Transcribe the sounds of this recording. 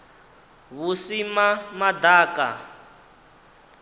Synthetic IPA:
βusimamad̪aːka̰

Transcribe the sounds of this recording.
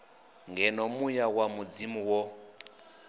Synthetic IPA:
ŋɡɛnɔmujawamud͡zimuwɔ

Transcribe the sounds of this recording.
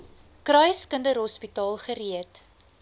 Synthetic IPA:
krœjskəndəɾɦɔspitɑːlˠχəɾiət

